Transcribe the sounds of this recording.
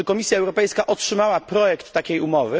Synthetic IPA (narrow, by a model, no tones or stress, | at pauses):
ɘkɔmʲisʲjaɛwɾɔpɛjskaʔɔtʂɘmawapɾɔjɛkt̪ːakʲejumɔvɘ